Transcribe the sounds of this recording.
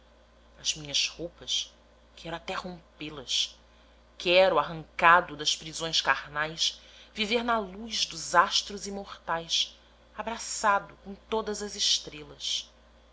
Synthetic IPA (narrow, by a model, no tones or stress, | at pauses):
ɐzmĩɲɐzhowpɐs | kʰɛɾʊat̪ɛhõpelɐs | kʰɛɾʊaɦɐ̃ŋkad̪ʊd̪ɐspɾizõj̃skaɾnajsviveɾnɐluzd̪ʊzaʃt̪ɾʊzimoχt̪ajs | abɾasad̪ʊkõt̪od̪ɐzɐzɪʃt̪ɾelɐs